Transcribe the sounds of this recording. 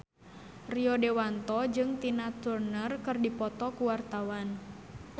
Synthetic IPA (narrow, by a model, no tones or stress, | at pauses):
riɔdewant̪ɔd͡ʒɨŋt̪inat̪urnərkɨrdipɔt̪ɔkuwart̪awan